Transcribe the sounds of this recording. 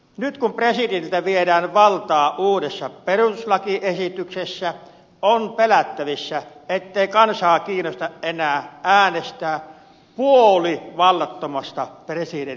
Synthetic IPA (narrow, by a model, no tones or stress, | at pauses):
nyt̪kumpresidenilt̪æʋiedæːnʋɑlt̪ɑːʔuːdesːɑperuslɑkiʔesit̪yksesːæ | onpelæt̪ːæʋisːæet̪ːeˑikɑnsɑːkiːnost̪ɑʔʔenæːʔæːnest̪æː | puoliʋɑlːɑt̪ːomɑst̪ɑpresiden